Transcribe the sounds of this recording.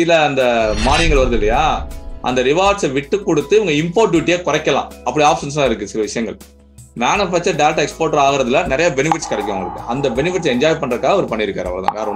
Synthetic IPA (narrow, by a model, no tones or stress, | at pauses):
ɪlɐːnd̪ɐmaːnɪŋɡɐɭʋɐɾɯðɯɪlːɐjaːʔɐ̰nd̪ɐɾɪʋaːʈsʋɪʈːɯkːɔɽɯt̪ːɯɪʋɐŋɡɐɪmpoːɾʈ̚ːuːʈ̬ːijeːkɔɾɐkːɐlã̰ːɐpːɐɽiaːpsɐns̬aːɪɾɯkːɯsɪlɐʋɪʂɐjɐŋɡɐɭ | maːnɯfaːk̚t͡ʃːɐɾɖɐjlʈɛkspoːɾʈɐɾaːɣɪɾɐðɯlɐnɪɾɐjabɛnɪfɪʈːskɐɾɐkːʊ̃ʋɐŋɡɐɭɾɯkːɯ̰ʔɐnd̪ɐbɛnɪfɪʈːsɛɲd͡ʒaːjpɐɳːɪɾɐɯkːaːɣɐɔɾɯpɐɳːɪɾɯkːaːɾɐʋɐɭɐt̪a̰ːŋkaːɾɐʋ